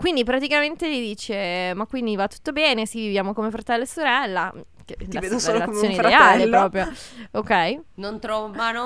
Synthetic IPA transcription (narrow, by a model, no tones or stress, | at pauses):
kwind̪ipɾat̪ikament̪elid̪iːt͡ʃemakːwind̪ivat̪ːu̥t̪ːobɛːnesivivjaːmokomefɾat̪ɛlːesoɾɛlːa | ked̪iaved̪oseːlolatksːjoːneidaealepɾɔːpɾjookɛjnont̪ɾɔvmano